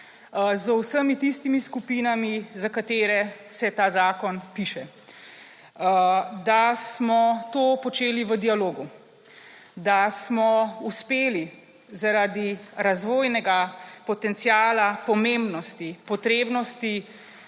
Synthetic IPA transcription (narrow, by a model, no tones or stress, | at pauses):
zwsəmit̪ist̪imiskupiːnamizakat̪eːɾɛsɛt̪aːzaːkɔnpiːʃɛ | d̪asmɔt̪oːpɔt͡ʃeːliʋəd̪ialoːɡu | d̪asmɔuspeːli | zaɾad̪iɾazʋoːjnɛɡapɔt̪ɛnt̪sjaːlapɔmembnɔst̪ipɔt̪ɾeːbnɔst̪i